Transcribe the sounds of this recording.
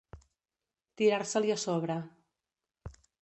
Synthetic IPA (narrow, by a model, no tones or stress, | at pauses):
t̪iɾaɾsəliəsɔβ̞ɾə